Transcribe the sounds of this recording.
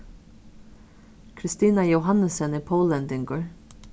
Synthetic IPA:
kʰɾɪst̪iːnajowɦanːəsɛnɪpʰoːlɛnt̪ɪŋkʊɹ

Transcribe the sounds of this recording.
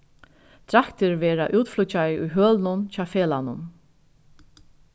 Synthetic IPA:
t̪ʰɾakt̪ɪɾvɛːɾaʔuːt̪flʊt͡ɕajɪʊjɦœːlnʊnt͡ɕaːfeːlanʊ̰n

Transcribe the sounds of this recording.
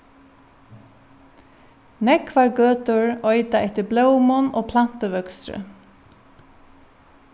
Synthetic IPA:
nɛkʋaɹɡøːt̪ʊɹɔʏt̪aɛht̪ɪɾblœwmʊnʔoːpʰlan̥t̪əʋœkst̪ɾə̰

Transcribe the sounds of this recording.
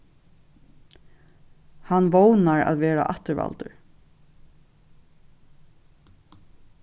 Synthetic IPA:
hanʋɔːwnaɹæ̰ðʋeːɹa̰ʔaht̪əɹva̰lt̪əɹ

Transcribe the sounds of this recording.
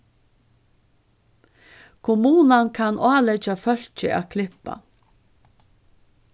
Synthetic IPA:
kʰʊmuːnankʰanaːlɛt͡ʃafœl̥t͡ʃəa̰ːkʰlɪpa̰

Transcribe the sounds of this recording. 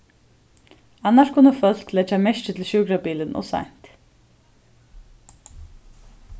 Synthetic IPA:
anːaʂkʰʊnːəfœl̥klɛt͡ʃːamɛʃt͡ɕɪt̪ʰɪlɕuːkɾapiːlɪnʔɔ̰sa̰jn̥t̪

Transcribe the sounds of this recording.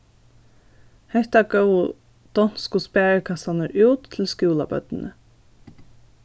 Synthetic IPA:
hɛht̪aɡœwʊ | d̪̥ɔn̥skʊspæːɹəkʰasanəɾʔʉːt̪ʰːɪlskjuːla̰bœ̰t̪nə

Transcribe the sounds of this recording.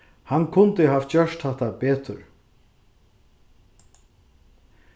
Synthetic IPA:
hanːkʰʊnt̪ɪɦaːft͡ɕœʃt̪haht̪apɛːt̪ʏɾ

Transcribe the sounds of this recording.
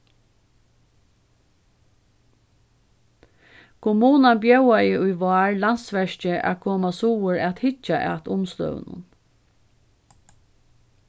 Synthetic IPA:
kʰʊmuːnanbjœwajɪʊjʋaːɹlan̥t̪sʋɛʂt͡ʃɪʔæ̰kʰɔːmasuːwəɹæt̪hɪt͡ʃaʔɛ̰t̪ʊmslœ̰ə̰nʊ̰n

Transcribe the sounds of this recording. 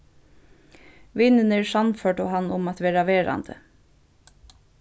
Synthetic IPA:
ʋɪnənəɹsanføːʈʊɦanːʊmat̪ʋeːɹaʋeːɹa̰nd̪̥ə̰

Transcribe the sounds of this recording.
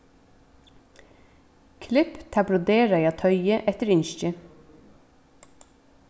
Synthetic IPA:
kʰlɪpt̪ʰɑbɾʊd̪eːɹɑjɑːt̪ʰœʏəʔɛt̪əɾʏɲʃc͡çə

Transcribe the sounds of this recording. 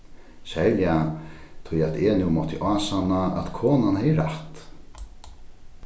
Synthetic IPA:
sɛjljat̪ʰʊjat̪ɛnumɔt̪ʰɪʔaːsanaʔa̰t̪kʰoːnanhɛjəɾaht̪

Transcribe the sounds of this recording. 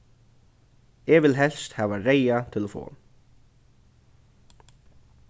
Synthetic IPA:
ɛvɪlɦɛl̥st̪haːvareːjat̪ʰɪlafɔ̰ː

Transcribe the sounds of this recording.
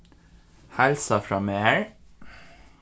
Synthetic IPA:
hælsɑfɾɑːmeːɹ

